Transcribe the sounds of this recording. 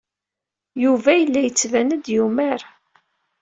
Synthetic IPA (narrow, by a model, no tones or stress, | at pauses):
juvæjəlːæjət͡sːvænəd̪jumæɾ